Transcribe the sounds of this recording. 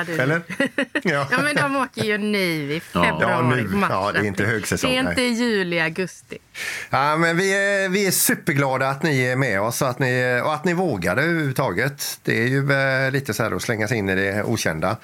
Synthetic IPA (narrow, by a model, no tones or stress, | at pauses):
dɛlːəɾ | ɑːjɑːmɛnd̪ɔmoːkəɾjʉnyːvɪfɛbnʉ̟ɔmɑːd̪ɛɾɪnt̪əhøːɡsɛsɔɛŋɪnəjʉ̟ːlɪaɡɵst̪ɪamɛnvɪvɪæʂʉːpːəɾɡlɑːd̪aːt̪nɪæɾmɛɔsɔat̪nɪɔat̪nɪvoːɡad̪əʉːʉvət̪ʰɑːɡət̪d̪̥ɛ̰æɾjɵliːt̪əsɔhæːɾɔslɛŋːasɛɪnːɪd̪ɛṵːɕɛ̰nd̪a